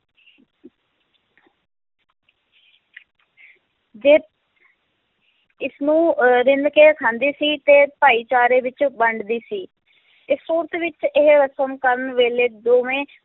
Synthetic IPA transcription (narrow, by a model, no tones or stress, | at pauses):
d͡ʒeː | ɪsnũːɾɪnd̪keːkʰãːnd̪iːsiːt̪eːpaːiːt͡ʃaːɾeːʋɪt͡ʃbəɳɖd̪iːsiː | ɪsoːɾt̪ʋɪt͡ʃɪɦɾəsəmkəɾənʋeːleːd̪oːʋẽː